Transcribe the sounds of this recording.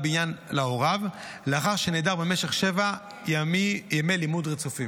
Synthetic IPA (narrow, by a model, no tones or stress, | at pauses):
binjanlao̞ʁav | leaχaʁʃeneːdaʁbemeʃeχʃeva | jamijemelimudʁet͡sufi